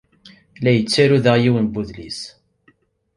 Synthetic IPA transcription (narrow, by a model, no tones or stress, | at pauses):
læjət͡sːæɾuðaʁjiwənbuðlis